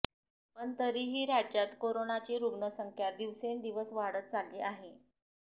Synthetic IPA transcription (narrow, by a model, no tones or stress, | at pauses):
pəɳt̪əɾiːɦiːɾad͡ʑat̪koɾonat͡ɕiːɾuɡɳəsəŋkʰjad̪iʋsend̪iʋəsʋaɽət̪̚t͡salːiːʔaɦe